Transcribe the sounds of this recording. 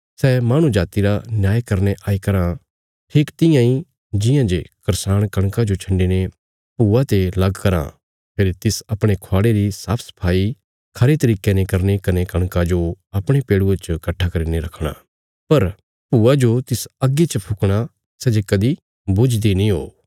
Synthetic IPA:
sɛmaːɽ̃ũd͡ʒaːt̪iɾanjaːjkɐɾneʔaːikɐɾã | ʈʰiːkt̪ɪ̃jãĩ | d͡ʒɪ̃jãd͡ʒekɐɾsaːɽ̃kɐɽ̃kad͡ʒot͡ʃʰɐ̃ɳɖine | puːat̪elɐɡkɐɾã̰ | pʰeːɾt̪ɪsɐpɽ̃ekʰoaːɽeɾisaːpʰsɐ̥pʰaːi | kʰɐɾet̪ɐɾiːkenekɐɾnekɐnekɐɽ̃kad͡ʒoɐpɽ̃epeːɽuet͡ʃkɐʈʰːakɐɾiːneɾɐkʰɽ̃a̰ː | pɐɾ | puːad͡ʒot̪ɪsɐɡːet͡ʃəpʰʊkɽ̃a | sɛd͡ʒekɐd̪i | bʊd͡ʒd̪inĩɦoː

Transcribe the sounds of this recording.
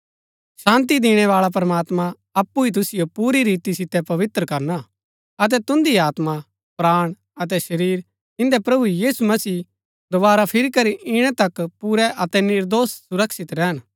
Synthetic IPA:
ʃãːnt̪̬id̪iːɽ̃ɛʋaːɭap̬ɾɐmaːt̪mã | ɐpːuit̪̬ʊsɪjopuːɾiɾiːt̪isɪt̪ːɛpɐʋɪt̪ɾəkɐɾna | ɐt̪̬ɛt̪ʊ̃nd̪iaːt̪ma | pɾaːɽ̃ | ɐt̪̬ɛʃɐɾiːɾ | ɪ̃nd̪ɛpɾɐbuijiːsumɐsiː | d̪obaːɾapʰɪɾikɐɾiʔɪɽ̃ɛt̪ɐkpuɾɛʔɐt̪ɛnɪɾd̪oːssʊɾɐkʃɪt̪ɾɛɦən

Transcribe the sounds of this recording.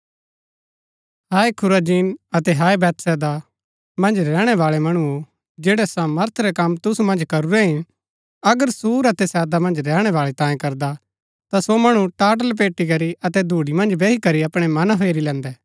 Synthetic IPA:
ɦaːekʰʊɾad͡ʒiːnɐt̪ɛɦaːebɛːt̪sɛːd̪a | mɐ̃nd͡ʒɾɛːɽ̃ɛʋaːɭɛmɐɽ̃uo | d͡ʒeːɽɛsaːməɾt̪ʰɾɛkɐmt̪ʊsumɐ̃nd͡ʒkɐɾuɾeɦɪn | ɐɡəɾsuːɾɐt̪ɛsɛːd̪amɐ̃nd͡ʒɾɛːɽ̃ɛʋaːɭet̪ãːjẽkɐɾd̪a | t̪asomɐɽ̃ũʈaːʈ̬əlp̬eːʈːikɐɾiʔɐt̪ɛd̪ʱuːɽimɐ̃nd͡ʒbeːɦikɐɾiɐpɽ̃ɛmɐnɦeːɾilɛ̃ːnd̪ɛː

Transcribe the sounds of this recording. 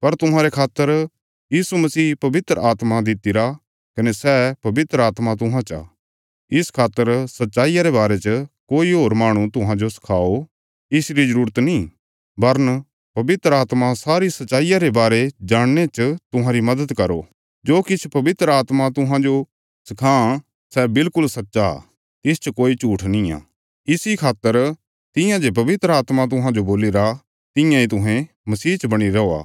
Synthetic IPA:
pɐɾt̪ʊɦãːɾekʰaːt̪ːəɾ | jiːsumɐsiːpɐʋɪt̪ɾəaːt̪mad̪ɪt̪iɾa | kɐnesɛpɐbɪt̪ɾəaːt̪mat̪̬ʊɦãt͡ʃa̰ | ɪskʰaːt̪ːəɾsɐtːʃaːijaɾebaːɾet͡ʃəkoːiɦoːɾmaːɽ̃ũt̪ʊɦãd͡ʒosɐ̥kʰaːo | ɪsɾizɐɾuːɾət̪nĩ | bɐɾən | pɐbɪt̪ɾəaːt̪masaːɾisɐtːt͡ʃaːijaɾebaːɾed͡ʒaːɽ̃net͡ʃt̪ʊɦãɾimɐd̪əd̪kɐɾo̰ | d͡ʒoːkɪt͡ʃʰpɐʋɪt̪ɾəaːt̪mat̪ʊɦãd͡ʒo | sɪkʰãː | sɛbɪlkʊlsɐtːʃa | t̪ɪst͡ʃɐkoːit͡ʃuːʈʰnɪ̃ja̰ː | ɪsikʰaːt̪ːəɾ | t̪ɪ̃jãd͡ʒep̬ɐʋɪt̪ɾəaːt̪mat̪̬ʊɦãd͡ʒoboːliɾa | t̪ɪ̃jãit̪̬ʊɦɛ̃ | mɐsiːt͡ʃɐbɐɽ̃iɾɐoːa̰ː

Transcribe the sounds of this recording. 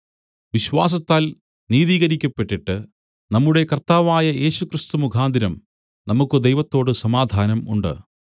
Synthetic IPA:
ʋiɕʋaːs̬ɐt̪ːaːl | niːðiːɣɐɾikʲːɐpːe̞ʈːiʈːɨ | nɐmːuɽe̞kɐrt̪aːʋaːjɐje̞ːɕukrist̪umukʰaːnd̪iɾɐm | nɐmukːɨd̪ejʋɐt̪ːo̞ːɽɨsɐmaːd̪ʱaːnɐmuɳɖɨ̰

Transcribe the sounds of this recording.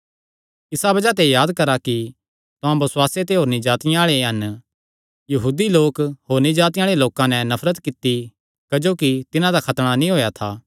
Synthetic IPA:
ɪsabɐd͡ʒat̪ejaːd̪kɐɾaki | t̪ʊãbɐsʊwaːset̪eɦoːɾnĩd͡ʒaːt̪ɪjãaːɭeɦɐn | jɐɦuːd̪iloːkɦoːɾnĩd͡ʒaːt̪̬ɪjaːɭeloːkãnɛnɐpʰɾət̪kɪt̪ːi | kɐd͡ʒoːkit̪ɪnãd̪akʰɐt̪ɽ̃anĩɦoːjat̪ʰaː

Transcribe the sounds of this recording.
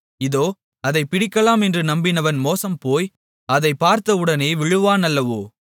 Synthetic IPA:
ɪðoː | ɐðɐɪpːɪɽɪkːɐlaːmɛndrɯnɐmbɪnɐʋɐnmoːsɐmpoːj | ɐðɐɪpːaːɾt̪ɐɯɽɐneːʋɪɻɯʋaːnɐlːɐʋoː

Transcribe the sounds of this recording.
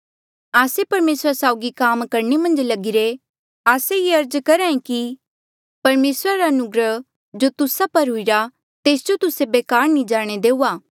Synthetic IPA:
aːsepɐɾmeːsɾasaːʊɡikaːmkɐɾnemɐ̃nd͡ʒlɐɡɪɾe | aːsejeɐɾd͡ʒkɐɾãːẽki | pɐɾmeːsɾaɾaɐnʊɡɾə | d͡ʒot̪ʊsapɐɾɦʊiɾa | t̪eːsd͡ʒot̪ʊsebeːkaːɾnĩd͡ʒaːɽ̃ed̪eːuːaː

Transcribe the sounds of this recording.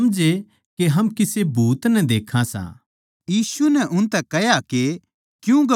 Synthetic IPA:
ɐmd͡ʒe | keɦɐmkɪsebʱuːt̪nɛd̪eːkʰãsã̰ | jiːsunɛʔʊnt̪ɛkɛɦjake | kjũɡ

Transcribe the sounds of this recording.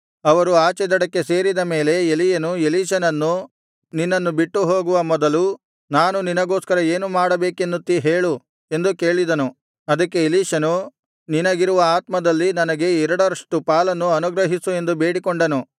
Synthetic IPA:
ɐʋɐɾuaːt͡ʃɛd̪ɐɽɐkːe̞se̞ːɾid̪ɐme̞ːle̞elijɐnueliːʃɐnɐnːu | ninːɐnːubiʈːuɦo̞ːɡuʋɐmɔd̪ɐlu | naːnuninɐɡo̞ːskɐɾɐe̞ːnumaːɽɐbe̞ːkend̪ut̪ːiɦe̞ːɭu | e̞nd̪ukːe̞ːɭid̪ɐnu | ɐd̪ɐkːe̞eliːʃɐnu | ninɐɡiɾuʋɐaːt̪mɐd̪ɐlːinɐnɐɡe̞ɛɾɐɽɐɾɐʂʈupaːlɐnːuɐnuɡɾɐɦisue̞nd̪ube̞ːɽikoɳɖɐnu

